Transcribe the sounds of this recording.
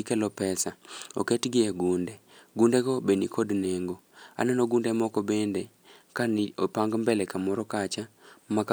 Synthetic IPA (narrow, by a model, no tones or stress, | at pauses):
ikɛlɔpɛsao̰ketɡɪaɡundɛɡundɛɡɔbenikʰodneŋɡoa̰nɛnɔɡundɛmɔkɔbende | kaniopaŋɡmbɛlɛkamɔɾɔkat͡ʃamaka